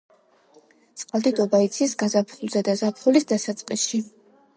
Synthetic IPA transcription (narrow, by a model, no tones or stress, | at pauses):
t̪sʼqʼalˠd̪id̪ɔbait̪sʰisɡazapʰχulˠzɛd̪azapʰχulisd̪asat̪sʼqʼisʃi